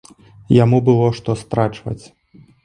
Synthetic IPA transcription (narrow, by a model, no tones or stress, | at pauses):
jamubɨlˠɔʂt̪ɔst̪ɾat͡ʂvɐ̰t͡sʲ